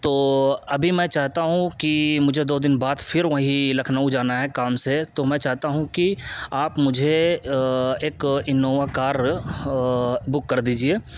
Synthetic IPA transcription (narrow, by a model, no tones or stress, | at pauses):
t̪oːɐbʱimɛ̃t͡ʃaːɦt̪aɦũkimʊd͡ʒʱed̪oːd̪ɪnbaːd̪fʰɪɾʋɐɦĩlɐkʰnaud͡ʒaːnaɦɛkaːmset̪omɛ̃ːt͡ʃaːɦt̪aɦũkiaːpmʊd͡ʒʱe | eːkɪnːoːʋakaːɾ | bʊkːɐɾd̪iːd͡ʒieː